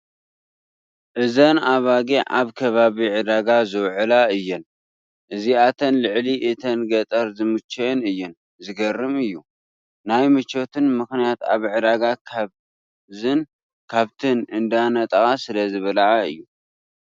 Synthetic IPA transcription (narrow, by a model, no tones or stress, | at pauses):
ʔɨzɐnaβaɡiʕa̰βkʰɐβaβiʕɨd̪aɡazɨwʕɨlaɨjːɪn | ʔɨziat̪ʰɐnlɨʕliʔɨt̪ʰɐnɡɐt̪ʼɐɾzɨmɨt͡ʃːɛnɨjːɪn | zɨɡɐrːɨmɨjːu | najmɨt͡ʃo̞t̪ʰɨnmɨxnijat̪a̰βʕɨd̪aɡakʰaβ | zɨn | kʰaβt̪ʰɨnɨnd̪anɐt̪ʼɐɣʼasɨlɐzɨβɐlaʕaɨ̰jːu